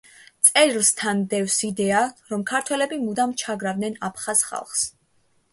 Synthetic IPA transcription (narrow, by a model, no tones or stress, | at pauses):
t̪sʼɛɾlˠst̪ʰand̪ɛvsid̪ɛaɾɔmkʰaɾt̪ʰwɛlɛbimud̪amt͡ʃʰaɡɾavd̪nɛnapʰχasχa̰lˠχs